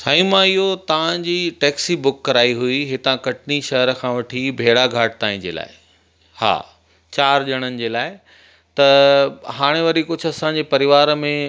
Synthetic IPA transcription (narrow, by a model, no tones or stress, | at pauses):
saːĩmãɪɦot̪ɐʋ̤ãd͡ʑiːʈɛːksibʊkːɐɾaːiɦuiɦɪt̪ãkɐʈ̚ʰniʃɐɦɾəkʰãːʋɐʈʰibʱeːɽaɡʱaːʈ̚t̪aːĩd͡ʑḛːla̰ːɪ | ha̰ː | t͡ɕaːɾʄɐɽ̃ənɪ̆d͡ʑeːlaːɪ | t̪ɐɦaːɽ̃eʋɐɾikʊd͡ʑʱʊɐsãːɲd͡ʑepɐɾɪʋaːɾmẽ